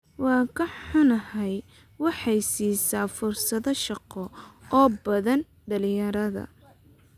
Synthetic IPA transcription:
wɑːkʰɐħħʊnɐhɛj | wɑħɑjsiːsaːfʊrsɐðɔʃɑqɔɔːbɐðɐn | ɖɐlɪjɐɾɐðɐ̰

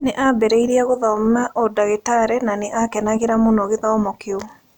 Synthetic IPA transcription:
neʔabɛɾeiɾiaɣoðɔmaʔɔdaɣetaɾɛnaneʔakɛnaɣeɾamonɔɣeðɔmɔkeo

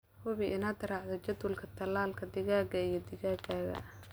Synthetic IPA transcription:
hʊβiʔɪnad̪ɐɾɑʕðɔt͡ʃɐd̪wʊlkʰɐt̪ʰɐlaːlkʰɐd̪ɪɣaːɡɐijɞd̪ɪɣaːɡaːɣɐ̰

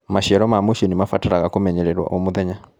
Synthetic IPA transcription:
maʃiɛɾɔmaːmuʃɔnimafataɾaɣakomɛɲɛɾɛɾwa̰ʔɔmoðɛɲa

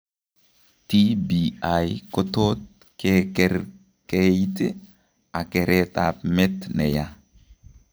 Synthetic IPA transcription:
t̪ibiajkɔt̪ot̪̚ | kekɛɾ | kejt̪i | akeɾʔet̪a̰pmɛt̪nḛja

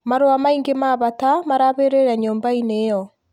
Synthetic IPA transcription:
maɾoamaiŋɡemaβatamaɾaβeɾeɾɛɲoːmbainejɔ

